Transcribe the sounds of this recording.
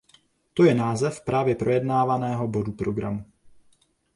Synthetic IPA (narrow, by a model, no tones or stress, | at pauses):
t̪ojɛnaːzɛfpɾaːvjɛpɾʔo̞jɛdnaːvanɛːɦo̞bo̞dupɾo̞ɡɾamu